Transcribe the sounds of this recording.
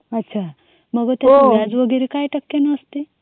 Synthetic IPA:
ətːɕʰa | məɡət̪jatead͡zʋəɡeɾekajʈəkːenəəst̪e

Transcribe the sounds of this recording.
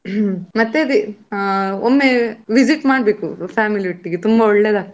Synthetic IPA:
mɐt̪ːeid̪i | omːeʋid͡ʒiʈmaːɽbeːkupʰaːmiliʋiʈːiɡet̪umbɐoɭːeːd̪a

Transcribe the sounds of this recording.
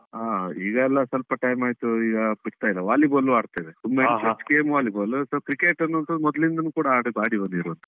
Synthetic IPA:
aːiːɡɐɛlːɐsɐlpɐʈɐjmaːjt̪uiːɡɐpiʈt̪aːjlːɐʋaːliboːlːuaːɽt̪aːjd̪esumːet͡ʃɐt͡ʃːkeːmʋaːliboːlsoːkɾikeːʈɐnːuʋɐnt̪ɐd̪mɔd̪lind̪ɐnuːkuːɽɐaːɽubaːɽibɐnd̪iɾuʋɐnt̪ɐ̥

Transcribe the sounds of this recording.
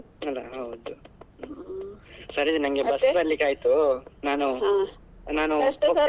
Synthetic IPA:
ɐlːɐɦɐwd̪u | sɐɾid͡ʒnɐŋɡebɐsbɐlːikaːjt̪unaːnu | naːnu

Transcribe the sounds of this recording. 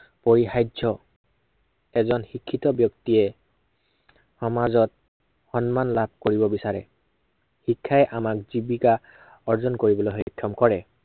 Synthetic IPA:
poɹixajzɔ | ɛzɔnxikʰːitɔbjɔktiɛ | xɔmazɔt̚ | xɔnmanlab̚ʱkoɹibɔbisaɹɛ̰ | hikʰːaɛʔamak̚zibika | ɔɹzɔnkoɹibɔloɦɔkʰːjɔmkɔɹɛ

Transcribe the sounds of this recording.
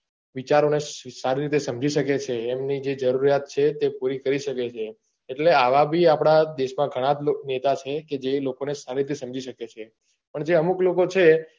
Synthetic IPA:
ʋit͡ʃaɾonesaɾiɾit̪̬esəmd͡ʒiʃəket͡ʃʰeːmnid͡ʒed͡ʒəɾuɾjat̪̚t͡ʃʰet̪epuɾikəɾiʃəket͡ʃʰeː | ʈleaʋabʱiapɽ̃ad̪eʃmãɡʱəɽ̃ãd͡ʒnet̪at͡ʃʰeked͡ʒelokonesaɾiɾit̪esəmd͡ʒʱiʃəket͡ʃʰe | pəɳd͡ʒeəmuklokot͡ʃʰe

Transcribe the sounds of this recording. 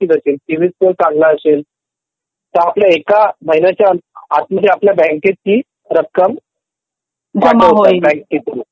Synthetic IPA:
iːʋəseltiʋiskolsãŋɡlaəsel | t̪əɾapljaekabʱəjnat͡ɕaənat̪̚məd͡zʱeapljabɛ̃ŋket̪̚kiː | ɾəkkːəm | d͡zəəɦəbɛ̃ŋk̚ːit̪ɾu

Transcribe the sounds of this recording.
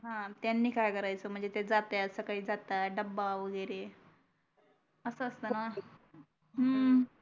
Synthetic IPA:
ɦãt̪janːiːkajkəɾajt͡səm̤əɳd͡zet̪ed͡zat̪eəsəkaɦiːd͡zat̪aɖəbːaʋəɡəjɾe | əsəəst̪əna | ɦəm

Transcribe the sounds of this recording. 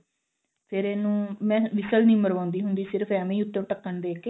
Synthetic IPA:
pʰɪɾeːnũːmɛ̃ːʋɪsəlnĩːməɾʋãːnd̪iːɦʊnd̪iːsɪɾəpʰɛːmẽːʊt̪ːẽːʋʈəkːəɳd̪eːkeː

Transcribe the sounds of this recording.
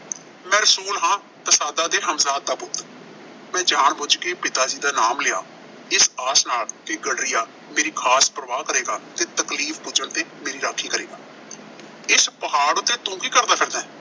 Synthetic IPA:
mɛ̃ːɾəsuːlɦãː | t̪əsaːd̪aːd̪eːɾɦəmzaːt̪ːaːpʊt̪ | mɛ̃ːd͡ʒaːɳbʊd͡ʒkeːpɪt̪aːd͡ʒiːd̪aːnaːmlɪaː | ɪsaːsnaːlkeɡəɽɾɪjaː | meːɾiːkʰaːspəɾəʋaːkəɾeːɡaːt̪eːt̪əkliːfʰbʊd͡ʒəɳt̪eːmeːɾiːɾaːkʰːiːkəɾeːɡaː | ɪspəɦaːɽʊt̪ːeːt̪õːkiːkəɾd̪aːpʰɪɾd̪ɛː

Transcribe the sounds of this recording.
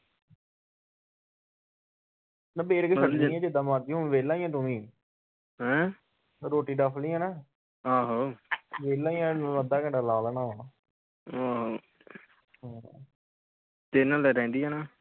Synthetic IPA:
nãːbeːɾkəsəĩːɛ̃ːd͡ʒɪd̪ãːmaːɾd̪iɦʊnʋeːlãːĩjãːt̪ʊmĩː | ɦɛ̃ː | ɾoːʈiːɖapʰlĩãːnaː | aːɦoːʋeːlãːĩjãːnəd̪aːkɛ̃ɳɖaːlaːləːnaːaː | oːɦoː | ɦãː | t̪enãːlɛːɾɛ̃ːnd̪iːɦɛːnaː

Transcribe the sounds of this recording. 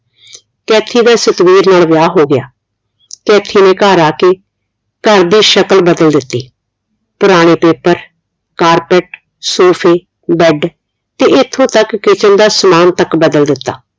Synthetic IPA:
kɛːt̪ʰːiːd̪aːsət̪ʋiːɾnaːlʋjaːɦoːɡɪjaː | kɛːt̪ʰiːnẽːkaːɾaːkeː | kəɾd̪iːʃəkəlbəd̪əld̪ɪt̪ːiː | pʊɾaːɽ̃eːpeːpəɾ | kaːɾpɛʈ | soːpʰeː | bɛɖ | t̪eːɪt̪ʰːõːt̪əkːɪt͡ʃənd̪aːsəmaːnt̪əkbəd̪əld̪ɪt̪ːa̰ː

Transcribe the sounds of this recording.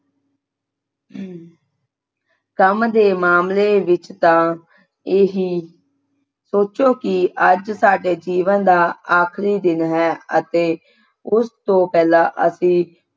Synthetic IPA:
kəmd̪eːmaːmleːʋɪt͡ʃt̪ãː | eːɦiː | soːt͡ʃoːkɪʔəd͡ʒsaːɖeːd͡ʒiːʋənd̪aːaːkʰɾiːd̪ɪnɦɛːət̪eː | ʊst̪õːpɛːlãːʔə̰sĩː

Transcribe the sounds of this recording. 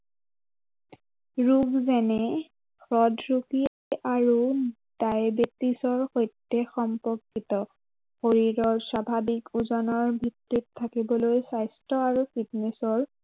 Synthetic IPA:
ɹuɡzɛnɛ | kʰɹɔdɹuki | aɹu | d̥ajbetːisɔɹxojtːɛxɔmpɔkːitɔ | xoɹiɹɔɹswabʱabikuzɔnɔɹbʱitɹitʰːakibɔlojsajstɔaɹupʰit̚nɛsɔɹ

